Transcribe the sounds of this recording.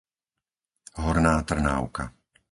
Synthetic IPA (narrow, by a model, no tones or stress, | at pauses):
ɦɔɾnaːt̪r̩na̰ːʊka̰